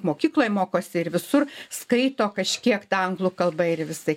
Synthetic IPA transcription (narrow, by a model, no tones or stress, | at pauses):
moːkʲiːklˠoːjmoːkoːsʲɪɪɾʋʲɪsʊrskɐɪt̪oːkɐʃʲkʲiɛkt̪ɑːɐŋɡlˠʊkɐlˠbɐɪrʋʲɪsɐɪ